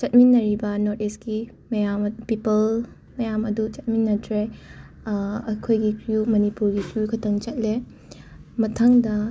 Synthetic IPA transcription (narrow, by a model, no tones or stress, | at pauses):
t͡ʃɐt̚minːɐɾibɐnoɾteski | mɐjampipɐl | mɐjamɐdut͡ʃɐt̚minːɐtʰɾe | ɐkʰojɡikɾjumɐnipuɾɡikɾijukʰɐtʰɐŋt͡ʃɐt̚le | mɐtʰaŋdɐ